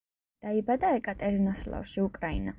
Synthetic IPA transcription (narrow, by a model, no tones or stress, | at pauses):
d̪̥aibad̪aɛkʼat̪ʼɛɾinɔslˠa̰fʃiukʼɾaḭna̰